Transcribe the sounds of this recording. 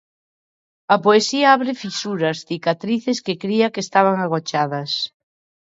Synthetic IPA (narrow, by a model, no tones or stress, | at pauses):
ɐpoesiɐaβɾɪfisuɾɐsθikat̪ɾiθeskɪkɾiɐkeːst̪aβ̞aŋaɣ̞ot͡ʃaðɐs